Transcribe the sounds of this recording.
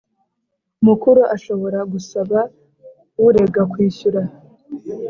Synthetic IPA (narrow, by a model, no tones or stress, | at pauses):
umukuɾuʔaʃo̞βo̞ɾaɡusaβa | wuɾe̞ɡakwiːɕuɾa